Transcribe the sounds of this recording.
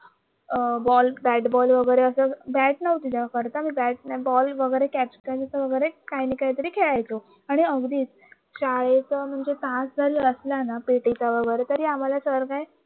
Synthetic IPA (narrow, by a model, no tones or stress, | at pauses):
bɔlbæʈbɔlʋəɡəjɾeəsəbæʈ̚nəʋut̪it̪akəɾt̪amibæʈ̚nabɔlʋəɡəjɾekæpskad͡zət͡səʋəɡəjɾekajnikajt̪əɾiːkʰeɭajt͡so | aɽ̃iəɡd̪iːt͡s | ɕaɭet͡səm̤əɳd͡zet̪ãsd͡zʱəɾiːəslanapeʈit͡saʋəɡəjɾet̪əɾiːam̤alasəɾkaj